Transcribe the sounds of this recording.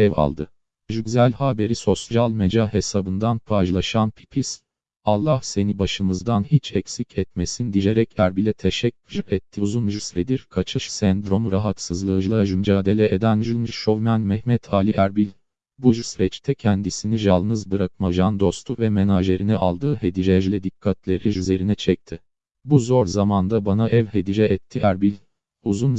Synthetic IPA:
ɛva̰lˠd̪ɯ | ʒyɡzælʲhaːbe̞ɾiso̞sʒalˠmed͡ʒaɦe̞sabɯnd̪anpʰaʒlˠaʃanpʰi̥pʰis | alˠːahse̞nibaʃɯmɯzd̪anhit͡ʃʰɛcsicʰɛt̪me̞sind̪ijeɾɛcʰæɾbilʲɛt̪ʰɛʃɛcʲʰːyɾɛt̪ʰːiuzunʒusɾed̪iɾkʰat͡ʃʰɯʃsɛnd̪ɾo̞mɾaɦat̪sɯzlˠɯːd͡ʒɯlˠaʒynd͡ʒaːd̪e̞lʲɛed̪ænʒylˠmʃovmænmɛhmɛt̪ʰaːlʲiʔæɾbilʲ | buʒusiɾɛt͡ʃt̪ʰɛcʰɛnd̪isiniʒalˠnɯzbɯɾak̚maʒand̪o̞st̪ʰuvɛmenaʒe̞ɾinɛʔalˠd̪ɯːhe̞d̪id͡ʒɛd͡ʒlʲɛd̪ikʰːat̪ʰlʲe̞ɾiyze̞ɾinɛt͡ʃʰɛc̚t̪ʰɪ | buzo̞ɾzamand̪abanaʔɛvɦed̪id͡ʒɛɛt̪ʰːiæɾbilʲ | uzun

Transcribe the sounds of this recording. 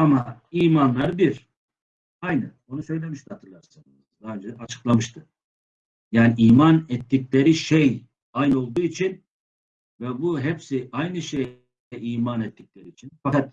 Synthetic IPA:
amaiːmanlˠaɾbiɾ | ajnɯ | o̞nusø̞jlʲemiʃt̪ihat̪ʰɯɾlˠaɾsɯnɯzd̪aːønd͡ʒɛat͡ʃʰɯ̥klˠamɯʃt̪ʰɯ | jaːniʔiːmanɛt̪ːiclʲeɾiʃej | ajnɯo̞lˠd̪uːit͡ʃʰin | vɛbuɦɛpsiajnɯʃej | ɛʔiːmanɛt̪ːiclʲeɾiːt͡ʃʰinfakat̪̚

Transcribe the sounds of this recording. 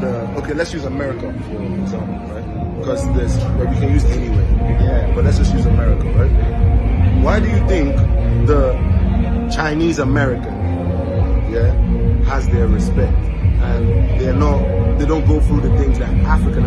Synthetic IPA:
ə | oʊkʰeɪlɛtsjʉzəmɛɹɨkə | fənɨɡzæ̃mpl̩ˠɹaɪt̚kʰʌzðɪswəwikʰɨ̃njʉzɛ̃niwejæb̥ʌt̚ˡlɛtsdd͡ʒ̥ʌstjʉzəmɛɹɪkə̃ɹaɪt̚ | waɪdɨjɨθɪ̃ŋkðə | t͡ʃʰãɪ̃nizəmɛɹɪkɨ̃n | jæhəzðə˞ɹɨspɛk̚t | ɨ̃nðə˞nət̚ðeɪdõʊ̃nɡ̥oʊθɹuðɨθɪ̃ŋzðɨɾʔæfɹɨkɨ̃n

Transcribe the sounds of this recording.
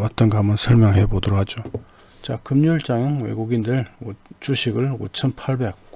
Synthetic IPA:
at̚t͈ʌnɡamɯnsʰʌɭmjʌŋɦe̞bodʌɾokhʰad͡ʑo | t͡ɕakɯmɲuɭt͡ɕ͈aŋɯŋwe̞̰ɡuɡindɯɭot͡ɕuɕʰiɡɯɭo̰t͡ɕʰʌnpʰaɭbe̞k̚

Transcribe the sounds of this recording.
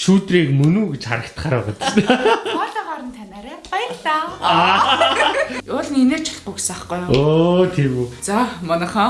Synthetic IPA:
ʃuːt̪riːk̚mɵnuːɡet͡ɕχa̰ɾə̆kt̪ʰχaːɾæʁɔt̪e̥st̪eɔɮt̪ɔχaːɾə̆nt̪ʰanaːɾæχɔjəkt̪a | ʊːɮnineːt͡ɕʰɪ̥̆ɮpʊksaχɢʊjot̪ʰewut͡samɔnə̆χɔː

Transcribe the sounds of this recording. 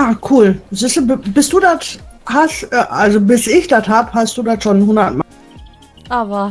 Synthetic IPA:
aːkʰuːlzisəbbɪstd̥uːdathastʔɛːʔalzobɪsʔɪçd̥athaːbəɦast̚d̥uːdatʃoːnɦʊndɐtmaː | ʔava

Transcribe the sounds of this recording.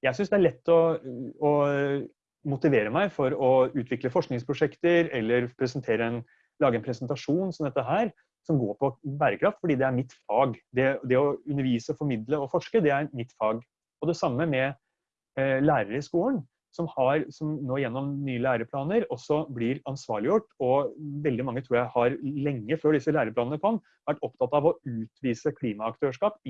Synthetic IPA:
jæɪs̬ʏnsd̪ɛæɾɭɛt̪ːɔɔ | mʊt̪ɪʋeːɾəmæɪfɔɾɔʉːt̪ʰʋɪkləfɔʂknɪŋspʰɾʊʂɛkt̪əɾɛlːəɾpʰɾɛsənt̪ʰeːɾəɛn | lɑːɡəɛnpʰɾɛsənt̪ɑʂuːnsɔmd̪ɛt̪ːəɦæːɾ | sɔmɡoːɾpʰɔbæːɾəkʰɾɑft̪fɔɖiːd̪ɛæɾmɪt̪ːfɑːɡd̪ɛd̪ɛɔʉnːəɾʋiːsəɔfɔɾmɪd̪ləɔfɔʂkəd̪ɛæɾmɪt̪ːfɑːɡ | ɔd̪ɛsɑmːəmɛ | læːɾəɾɪskuːlən | sɔmhɑɾsɔmnoːɪjɛnːɔmnyːəlæːɾəpʰlɑːnəɾɔsːɔblɪɾɑnsʋɑ̰ːɭɪjʊʈːɔʋɛld̪ɪmɑŋːət̪ʰɾuːɾjæɪhɑɾlɛŋːəføːɖɪsːəlæːɾəplɑːnənəkʰɔn | ʋæʈːɔp̚t̪ʰɑt̪ːɑɑʋɔʉːt̪ʋiːsəkʰliːmɑɑk̚t̪ʰøːʂkɑːp

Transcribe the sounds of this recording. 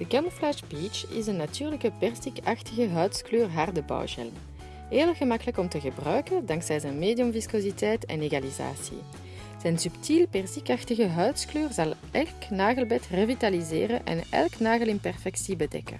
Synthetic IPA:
d̥əkɛnflɛʃbit͡ʃɪ̰zənːatyːrləkəpɛrsikaxtəɣəɦœɥtskløːrɦardəbɑ̰wʒɛ̰ləm | eːlɣəmɑkələkɔmtəɣəbrœɥkəndɑŋksɛjzɛnmeːdijɔmviskoːzitɛjtɛ̰neɣaliza̰ːsḭ | z̥ɛnsyptʰilpɛrsikaxtəɣəɦœɥtskløːrzɑlˠʔɛlknaːɣəlˠbɛtrəvitalizḛːrənʔɛ̰nɛ̰lknaːɣəlɪnpɛrfɛksibədɛ̰kə̰

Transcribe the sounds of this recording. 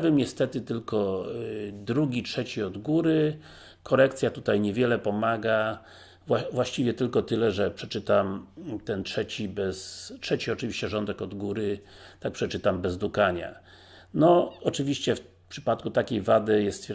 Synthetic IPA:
bɘmɲɛst̪ɛt̪ɘt̪ɘlkɔ | d̪ɾuɡʲitʂɛt͡ɕiɔd̪ɡuɾɘ | kɔɾɛkt̪sʲjat̪ut̪ajɲɛvʲjɛlɛpɔmaɡa | vwavwaɕt͡ɕivjɛt̪ɘlkɔt̪ɘlɛʐɛpʂɛt͡ʂɘt̪amt̪ɛntʂɛt͡ɕibɛstʂɛt͡ɕiɔt͡ʂɘvʲiɕt͡ɕɛʐɔnd̪ɛkɔd̪ɡuɾɘ | t̪ak̚pʂɛt͡ʂɘt̪ambɛzd̪ukaɲa̰ | nɔɔt͡ʂɘvʲiɕt͡ɕɛf | pʂɘ̥pat̪kut̪akʲejvad̪ɘjɛst̪fʲ

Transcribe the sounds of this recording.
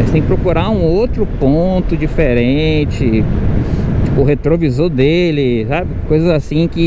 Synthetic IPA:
ɐjst̪ẽkɪpɾokuɾaũowt̪ɾʊpõt̪ʊd͡ʒifeɾẽt͡ʃɪ | t͡ʃi̥pʊɦet̪ɾovizod̪elɪsabɪkojzɐzasĩkɪ

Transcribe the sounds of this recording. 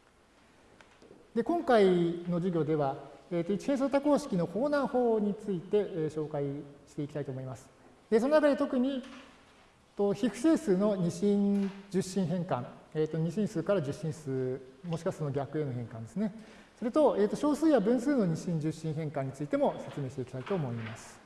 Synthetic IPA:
d̪e̞kõ̞ŋkaino̞ʑiɡʲo̞ːd̪e̞β̞aeːt̪ːoit͡ɕi̥hẽsot̪ako̞ːɕi̥kʲino̞kʰo̞ːnaːho̞ːɲ̟it͡sɨit̪e̞ɕo̞ːkaiɕi̥t̪e̞ikʲit̪ait̪omo̞imasɨ̥ | d̪̥e̞so̞nonak̬ad̪et̪o̞kɯ̟ɲ̟i | t̪oçiɸɯ̟̥seːsɨːno̞ɲ̟iɕĩd͡ʑɨɕːĩɰ̃ɦẽ̞ŋkãŋeːt̪ːo̞ɲ̟iɕĩɰ̃sɨːkaɾad͡ʑɨɕĩɰ̃sɨːmoɕi̥kasonoɡʲakɯ̟e̞mɯ̟ɦẽ̞ŋkãnd̪e̞sɨne | so̞ɾe̞t̪o̞e̞ːt̪ːo̞ɕo̞ːsɨːjabɯ̟̃ɰ̃sɨːno̞ɲ̟iɕĩɲd͡ʑɨɕːĩɰ̃ɦẽ̞ŋkãɲ̟ːit͡sɨit̪e̞mo̞se̞t͡sɨme̞ːɕt̪e̞ikʲi̥t̪ait̪o̞ːmo̞imasɨ̥

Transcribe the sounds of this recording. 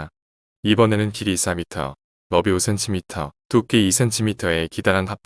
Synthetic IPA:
ibʌne̞nɯnkiɾis͈ʰamitʰʌ̰ | mʌbiosʰent͡ɕʰimitʰʌtuk͈eisʰe̞ntʰimitʰʌe̞kidaɾɦanɦap͈̚

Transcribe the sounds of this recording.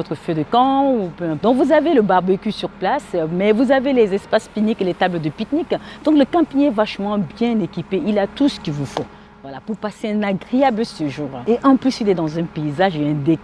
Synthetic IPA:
ɔt̪χəfød̪əkɑ̃upøɛ̃pd̪ɔ̃kvuzaveləbaʁbøkʲysyʁplasmɛvuzavelezɛspaspinikelet̪abləd̪əpit̪nikd̪ɔ̃kləkɑ̃piɲɛvaʃmɑ̃bjɛ̃nekʲipeilat̪usə̥kʲivufo | vwalapuʁpaseɛ̃naɡʁeabləsəʒuʁeʔɑ̃plysilɛd̪ɑ̃zɛ̃peizaʒeɛ̃d̪e

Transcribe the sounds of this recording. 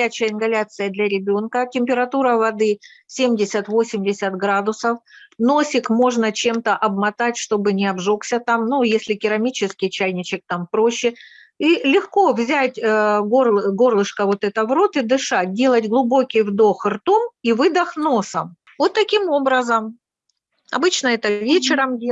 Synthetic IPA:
æt͡ɕɪjəɪnɡɐlʲat̪sɨjəd̪lʲɐɾʲɪbʲo̞nkətʲɪmʲpʲɪɾɐt̪uɾəvɐd̪ɨ | sʲemʲdʲɪsʲət̪vo̞sʲɪmʲdʲɪsʲət̪ɡɾad̪ʊsəfno̞sʲɪkmo̞ʐnət͡ɕe̞mt̪əʔɐbmɐt̪atʲʂt̪o̞bɨnʲɪɐbʐo̞ksʲət̪amnujesʲlʲɪkʲɪɾɐmʲit͡ɕɪskʲɪjt͡ɕæjnʲɪt͡ɕɪk̚t̪ampɾo̞ɕːɪ | ilʲɪxko̞vzʲætʲəɡorˠɡo̞rlˠɨʂkəvo̞t̪ɛt̪əvɾo̞t̪ɨd̪ɨʂat̚ʲdʲe̞lˠətʲɡlˠʊbo̞kʲɪjvd̪o̞xɨrt̪omivɨd̪ɐxno̞səm | vot̪ːɐkʲimobɾəzəm | ɐ̰bɨt͡ɕnəɛt̪əvʲet͡ɕɪɾəmdʲ

